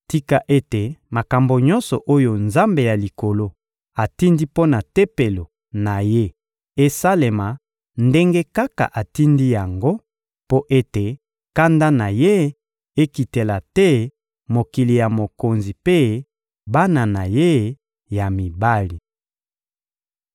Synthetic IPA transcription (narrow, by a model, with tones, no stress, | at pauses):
ti˦ka˨ʔe˦te˨ma˨ka˨mbo˨ɲɔ˦nsɔ˨ʔo˦jo˨nza˦mbe˨ja˨li˨ko˨lo˦ | a˨ti˦ndi˦po˦na˨te˦pe˨lo˨ | na˨je˦ | e˦sa˦le˨ma˨ | nde˦ŋɡe˦ka˦ka̰˨ʔa˨ti˦ndi˦ja˨ŋɡo˦ | po˦ʔe˦te˨ | ka˦nda˦na˨je˦ | e˦ki˨te˨la˨tɛ˦ | mo˨ki˨li˨ja˨mo˨ko˨nzi˨pe˦ | ba˦na˨na˨je˦ | ja˨mi˨ba˦li˨